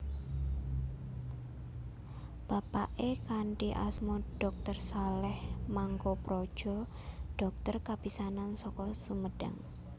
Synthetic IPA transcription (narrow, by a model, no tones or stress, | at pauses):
b̥a̤paʔekaɳʈiʔa̰smoɖ̥ɔk̚t̪ərsalɛhmaŋkopɾod̥ʒ̥ɔ̤ | ɖ̥ɔk̚t̪ərkab̥isanansɔkɔsuməɖ̥a̰ŋ